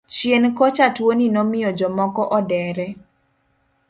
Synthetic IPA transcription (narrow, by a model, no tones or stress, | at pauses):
t͡ʃjenkɔt͡ʃatwoninɔmɪjɔd͡ʒɔmɔkɔʔɔdɛɾɛ